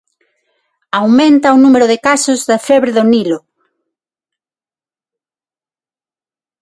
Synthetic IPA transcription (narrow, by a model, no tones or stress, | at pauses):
awmẽnt̪ɐonumeɾʊðɪkasʊzðɐfɛβɾeðʊnilʊ